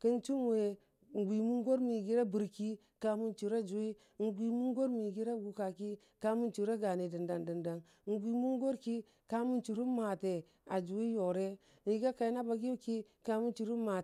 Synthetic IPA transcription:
kə˦nt͡ʃu˦m˦we˨ | ŋ˨ɡʷi˨mu˦ŋ˦ɡo˦ɾmi˨ɡi˦ɾa˦bi˨ɾki˦ | ka˦mu˦nt͡ʃi˨ɾa˦d͡ʒu˨˦i˦ | ŋ̩˨ɡʷi˨mu˦ŋ˦ɡo˦ɾmi˨ɡi˦ɾa˦ɡu˨ka˨ki˦ | ka˦mu˦nt͡ʃu˨ɾa˦ɡa˨ne˨də˨nda˨ndə˨nda˨n˦ŋ̩˨˦ɡʷi˨mu˦ŋ˦ɡo˦ɾki˦ | ka˦mu˦nt͡ʃu˨ɾu˦ma˨te˨ | a˨d͡ʒu˨wi˦jo˨ɾe˦ | ni˨˦ɡa˦ka˨i˦na˦ba˨ɡi˦ki˦ka˦mu˦nt͡ʃu˨ɾu˦ma˨

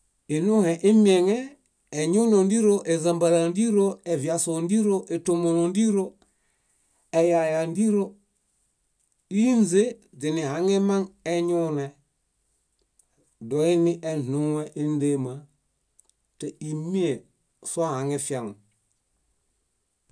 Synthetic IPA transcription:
i˨nu˦he˨ʔi˦mi˦e˨ŋeː˦˨ | ɲu˦no˨n˦di˦ɾo˦ʔe˨za˨mba˨ɾa˨ndi˦ɾo˦e˨vi˨a˨so˨ndi˦ɾo˦ʔe˨to˨mo˨ɾo˨ndi˦ɾo˦ | e˨ja˨ja˨ndi˦ɾo˦ | i˦nze˦ | zi˨ni˨ha˨ŋe˦ma˦ŋe˦ɲu˦ne˨ | do˨i˦ni˦ʔe˨nu˦ŋwe˦ʔi˦n˦de˦ma˨ | te˨i˨mi˦e˨ | sa˦ha˨ŋe˦fi˦a˨ŋo˨

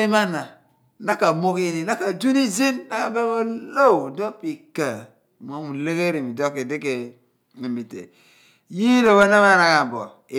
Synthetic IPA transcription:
i˦ma˦na˨ | na˦ka˨mo˦ki˦ni˨na˦ka˨d͡ʒu˦ni˦zi˦nna˦ka˨be˦mo˦lo˦wdo˦pi˨ka˨ | mo˦mu˨le˦ke˦ɾi˨mi˨do˦ke˨di˦ke˨ | mi˨mi˨tḛ˨ | ji˦no˨ba˦na˦ma˦na˨ka˨bɔ˨ | e˨

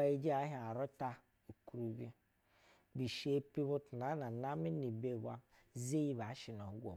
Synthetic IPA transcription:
a˨i˦d͡ʒi˦a˨˦ɦi˨a˨ɾo˦ta˦ | u˨ku˦ɾu˦bi˦ | bi˨ʃe˦pi˦βo˦tna˦na˨na˦mi˦ni˨be˦˨ɡʷa˦ | ze˦ji˦βa˨˦ʃi˨no˨u˦ɡʷo̰˨˦

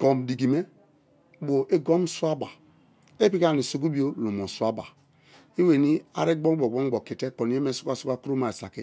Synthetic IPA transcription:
ɡ̥ɔ˨mdi˨ɡi˨me˦ | bo˨ʔe˦ɡo˦m˦su˦a˦ba˨ | e˦pi˦ka˦˨ni˨so˨ɡu˦bi˦o˦lo˨mo˨su˦a˦ba̰˨ | i˦we˨ni˦a̰˨ɾe˦ɡ͡bo˦ɡ͡bɔ˨ɡ͡bo˦ŋ˦ɡ͡bo˨ki˨te˦ko˨n˨˦e˦me˦˨su̥˦kʷa˦˨su˦ka˦ku˦ɾo˦ma˨e˨sa˨ki˦

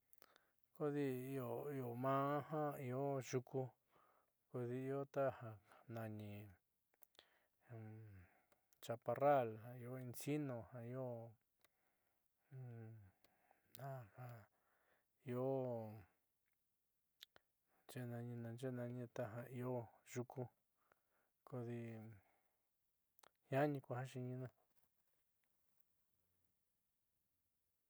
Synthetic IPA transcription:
ko˦ði˧i˧o˨˧˨i˧o˨mãː˦hã˦i˧o˦ʒu˧ku˧ | ko˧ði˧i˧o˦t̪a˦hã˧nã˧ɲĩ˧ | t͡ʃa˧pa˧ra˦˨lhã˧i˧o˦i˧nsi˦nõ˧hã˧i˧˦o˦ | ã˦˧hã˧ | i˧o˦ | nt͡ʃe˦˧nã˧ɲĩ˧nã˧nd͡ʒe˦˧nã˧ɲĩ˧t̪a˧ɦã˧i˧o˦ʒu˧ku˧ | ko˧ði˧ | hjã˦ɲĩ˧kʷa˧hã˦ʃi˧ɲĩ˧nã˧

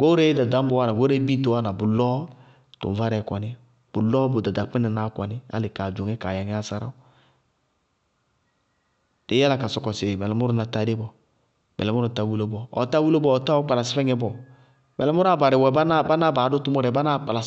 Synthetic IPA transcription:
ɡ̥o˦ɾe˦da˨da˨˦m˦bo˦wa˦na˨ɡo˦ɾe˦bi˦to˦wa˦na˨bʊ˨lɔ˦ | tʊ̰˨m˨va˦ɾɛ˨kʷɔ˨nɪ˦ | b̥ʊ˨lɔ˦bʊ˨da˨da˨k͡pɛ˦nɛ˨na˦ka̰˨nɪ˦a̰˦lɪ˨ka˨d͡ʒo˨ŋɛ˦ka˨ja˨ŋɛ˦a˦sa˦ɾa̰˦ʊ˦ | dɪ˨˦ja˦la˦ka˨sɔ˨kɔ˨sɪ˨mɛ˨lɛ˨˦mʊ˦ɾʊ˦na˨ta˨dɪ˦bɔ˨ | mɛ˨lɛ˨mʊ˦ɾʊ˦˨ta˦wu˦lo˦bɔ˦ɔ̰˨˦ta˦wu˦lo˦bɔː˦˨˦ta˦wɔ˦k͡pa˨la˨sɪ˦fɛ˦ŋɛ˦bɔ˨ | mɛ˨lɛ˦mʊ˦ɾa˦˨ba˨ɾɪ˨wɛ˨ba˦na˦ba˦na˦ba˨˦dʊ˦tʊ˦mɔ˦ɾɛ˨˦ba˦na˦k͡pa˨la˨

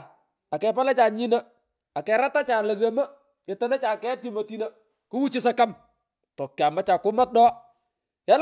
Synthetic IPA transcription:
a˨kɛ˨pa˦la˦t͡ʃaː˨ɲi˦na˦ | a˨kɛ˨ɾa˦ta˦t͡ʃaː˨lɐ˨ɣema˦ | ɛ˨tɐ˦nɛ˦t͡ʃaː˨kɛ˦ti˦mo˨ti˦nə˦ | kʊ˦wu˦t͡ʃɪ˦sa˦ka˦m | tɔ˨kːja˨ma˦t͡ʃa˨kʊ˦ma˦t̚dɔː˦ | ja˦l

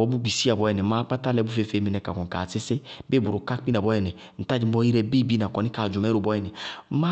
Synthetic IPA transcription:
ɔ˨˦bu˦ɡ͡bi˨si˦a˨bɔ˦jɛ˨nɛ˨˦ma˦k͡pa˦ta˦lɛ˧˦bu˦fe˦fe˨˦mi˨nɛ˨ka˨kɔ˨ŋ˨ka˨sɪ˦sɪ˦be˦bu˨ɾu˨ka˦k͡pi˦na˨bɔ˨˦jɛ˨nɛ˨ | n̩˨ta˦˨d͡ʒi˨˦mɔ˦i˦ɾɛ˧bi˦bi˦na˨kɔ˨ni˦ka˨d͡ʒu˨mɛ˦ɾo˨bɔ˦jɛ˨nɛ˨˦ma˦

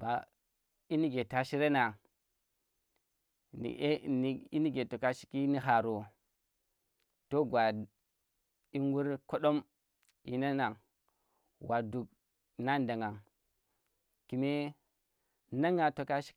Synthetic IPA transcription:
ba˨ | i˦ni˦ɡe˨ta˨ʃi˦ɾe˦na˨ | nḭ˨˦ni˨ḭ˦ni˦ɡe˨to˨ka˦ʃi̥˦ki˦ni˦ɦa˨ɾo˨ | to˦ɡʷa˨d | i˦ŋɡu˦ɾko˦ɗo˦m | ḭ˨na˦na˨ŋ | wa˨du˨k̚ | na˦nda˨ŋa˨ŋ | ki˨me˦ | na˦ŋa˨to˨ka˦ʃi̥˦

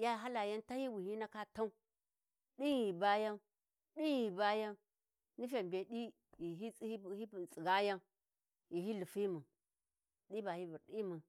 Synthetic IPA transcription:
ja˦˨ɦa˦la˨ja˦nta˦hi˦wi˨hi˦na˦ka˦ta˦u˦ | ɗi˦i˨ba˦ja˦n | ɗi˦ji˨ba˦ja˦n | ni˦f̬e˨be˨ɗi˦ | ji˨ɦi˦˨i˦˨t͡sʼi˨ɡa˦ja˦n | ji˨hi˦li˨fi˦mu˨ | ɗi˦ba˨hi˦bu˨ɾɗi˦mu˨

